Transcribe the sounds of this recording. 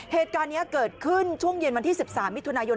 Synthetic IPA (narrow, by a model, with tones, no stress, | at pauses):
heː˨˩t̪̚kaː˧nːi˦˥ɐkɤː˨˩t̪̚kʰɯ˥˩nt͡ɕʰu˥˩əŋje˧nwa˧nt̪ʰiː˥˩si˨˩p̚saː˩˦mːi˦˥t̪ːʰu˧naː˧jo˧